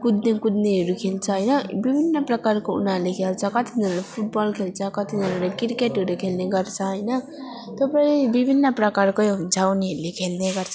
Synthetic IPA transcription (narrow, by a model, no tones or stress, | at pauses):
kud̪nekud̪neɦʌɾukʰelt͡sʰʌɦʌjnʌbibʱinːəpɾʌkaɾkoṵnalekʰelt͡sʰʌkʌt̪ʰid̪ʱʌnlapʰuʈ̚bɔlkʰelt͡sʰʌkʌt̪ʰid̪ʱʌnlekiɾkeʈɦʌɾukʰelneɡʌɾt͡sʰʌɦʌjnʌ | t̪opʌɾibibʱinːəpɾʌkaɾkood͡zawneɦʌɾlekʰelneɡʌɾt͡sʰʌ